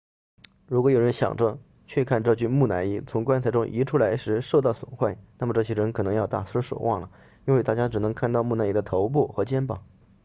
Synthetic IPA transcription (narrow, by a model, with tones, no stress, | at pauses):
ɻu˧˥kwɔ˧˥jo˨˩ʊɻə˧˥nɕjɑ̰˨˩ŋʈ͡ʂə˦ | t͡ɕʰɥɛ˥˧˩kʰa˥˧nʈ͡ʂɤ˥˧t͡ɕy˥˧mu˥˩na˧˥ni˥˩t͡sʰʊ˧˥ŋkwa˥nt͡sʰa˧˩ɪʈ͡ʂʊ˥ŋʔi˧˥ʈ͡ʂʰu˥la˧˥ɪʂɻ̩˧˥ʂo˥˧ʊt̪̬ɑ˥˩ʊswə̰˨˩nxwa˥˩ɪna˥˩mə˩ʈ͡ʂɤ˥˩ɕjɛ˥ɻə˧˥nkʰɤ˨˩nɤ˧˥ŋjɑ˥˧ʊt̪a̰˥˩sə˥ʂo̰˨˩ʊwʔɑ̰˥˩ŋlə˩ | i˥nwe˥˧ɪt̪a˥˩t͡ɕja˥ʈ͡ʂɻ̩˨˩nɤ˧˥ŋkʰa˥˧nt̪ɑ˥˧ʊmu˥˩na˧˥ni˥d̪ə˧t̪ʰo˧˥ʊp̬u˥˩xɤ˧˥t͡ɕjɛ˥npɑ̰˨˩˦